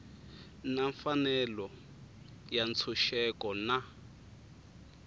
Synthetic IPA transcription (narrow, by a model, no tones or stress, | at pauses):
naɱfanɛlɔ | jant͡sʰuʃɛkɔna